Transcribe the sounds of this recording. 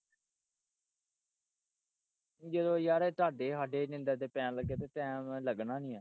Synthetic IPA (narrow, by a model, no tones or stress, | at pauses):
d͡ʒəd̪õːjaːɾeːt̪aːɖeːɦaːɖeːnɪ̃nd̪aːt̪eːpɛ̃ːləɡːeːt̪eːʈɛːmləɡnaːnĩːaː